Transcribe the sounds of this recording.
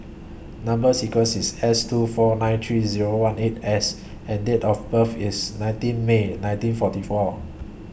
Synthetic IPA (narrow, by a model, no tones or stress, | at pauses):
nãmbəsikwə̃nsisɛstufɔnãj̃nt̪ʰɹiziɹowãnetɛs | ɛ̃ndetɔfbəfisnãj̃ntĩnmenãɪ̃ntĩnfɔtifɔ